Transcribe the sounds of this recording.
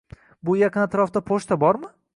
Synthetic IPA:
bʊjɑqʰɨnat̪ʰɾɒft̪apʰoʃt̪ʰabɒɾmɪ

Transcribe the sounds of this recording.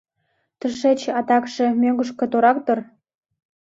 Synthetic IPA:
t̪ə̆ʃet͡ɕɑt̪ɑkʃĕmʲøŋɡə̆ʃkɤ̆t̪oɾɑk̚t̪ɤ̆r

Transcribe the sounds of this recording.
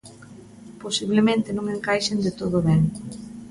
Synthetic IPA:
posiβlemẽnt̪ɪnõŋeŋkajʃend̪ɪt̪oð̞oβɛŋ

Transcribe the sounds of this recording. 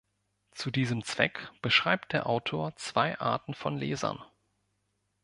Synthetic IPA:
t͡sudiːzəmt͡sv̥ɛ̰kb̥əʃʁ̥aɪp̚t̚d̥eːɐʔaʊtʰoːɐt͡sv̥aɪʔa̰ɐtn̩fɔnlḛːzɐ̰n

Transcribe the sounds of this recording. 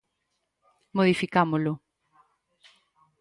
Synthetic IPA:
moðifikamolʊ

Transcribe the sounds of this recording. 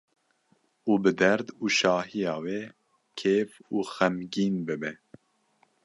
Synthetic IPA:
uːbɨd̪ɛɾd̪uːʃɑːhijɑːwe | kʰeːfuːxɛmɡiːnbɨbɛ

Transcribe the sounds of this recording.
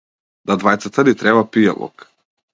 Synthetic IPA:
d̪ad̪vajt̪sat̪ad̪it̪ɾɛβapija̰lˠɔ̰k

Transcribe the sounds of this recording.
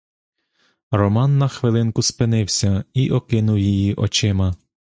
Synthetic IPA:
rɔmɑnːɐxʋɪlˠɪnkʊspɪnɪwsʲɐiʔɔkɪnʊwjijiʔɔt͡ʃɪmɐ

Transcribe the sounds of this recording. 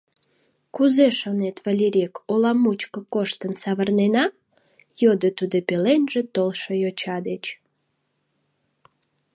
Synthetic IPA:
kuzeʃonet̪βɑlʲiɾʲekolɑmut͡ɕkəkoʃt̪ənsɑβərnenɑ | jod̪ət̪ud̪opelenʒet̪olʃojot͡ɕɑd̪et͡ɕ

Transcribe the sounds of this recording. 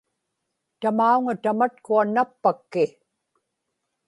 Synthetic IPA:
t̪amauŋat̪amat̪̚kuanːapːakːɪ

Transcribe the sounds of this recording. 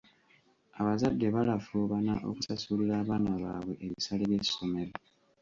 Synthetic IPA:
aβazadːeβalafoːβanaʔo̞̰kusasuliɾaːβaːnaβaːβwe̞ʔeβisaleβjeso̞me̞ɾo

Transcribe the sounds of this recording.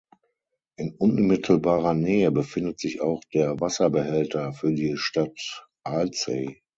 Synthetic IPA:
ʔɪnʔʊnmɪtʰl̩baːʁɐnɛːəbəfɪndətz̥ɪça̰ʊxd̥eːɐvasɐbəɦɛltɐfyːɐdiːʃtat | ʔalt͡se

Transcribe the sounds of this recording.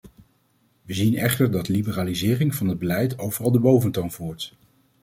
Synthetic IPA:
ʋəzinɛχtəɹdɑtlibəraːlizɪːrɪŋvɑnɦəd̚bəlɛjtowvərɑlˠdəbowvəntownvuːɹt

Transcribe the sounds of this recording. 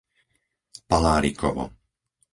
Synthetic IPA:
palaːɾikʰɔ̰ʋɔ̰

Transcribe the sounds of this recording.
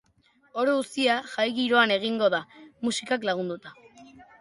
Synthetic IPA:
o̞ɾoust̪iaʝajɣiɾo̞ane̞ɣ̞iŋɡo̞ð̞amusikaklaɣ̞und̪ut̪a

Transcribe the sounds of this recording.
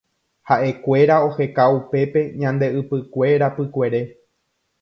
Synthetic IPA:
haʔe̞kʷe̞ɾao̞he̞kaupe̞pe̞ɲãnd̪e̞ɨpɨkʷe̞ɾapɨkʷe̞ɾe̞

